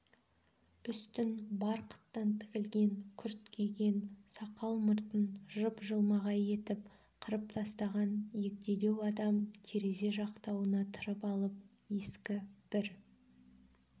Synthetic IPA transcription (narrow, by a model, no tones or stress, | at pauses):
ʏst̪ɪnbɑɾqʰə̥t̪ːɑnt̪ʰɪ̥kʲɪlɡʲe̞ŋkʲʰʏɾt̪kʲʰejɡʲe̞nsɑqɑlˠməɾt̪ənʒəpʒəlˠmɑʁɑje̞t̪ɪp | qʰəɾəp̚t̪ʰɑst̪ɑʁɑnje̞k̚t̪e̞d̪e̞wɑd̪ɑmt̪ʰe̞ɾe̞ze̞ʒɑqt̪ɑwənɑt̪ʰəɾəpɑlˠəp̚ | je̞skʲɪb̥ɪɾ